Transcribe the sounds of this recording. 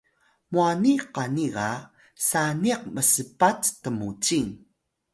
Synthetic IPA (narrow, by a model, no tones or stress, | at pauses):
muaniqaniʁa | saniq̚məsəpattəmut͡ɕiŋ